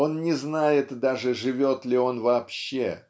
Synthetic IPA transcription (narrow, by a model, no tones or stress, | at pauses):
o̞nnʲɪznajɪt̪d̪aʐɨʐɨvʲo̞t̪lʲɪo̞nvɐːpɕːe